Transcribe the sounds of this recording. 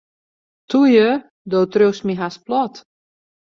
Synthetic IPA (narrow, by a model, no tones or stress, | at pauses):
tʰujə | dowtrøwsmiɦasplɔt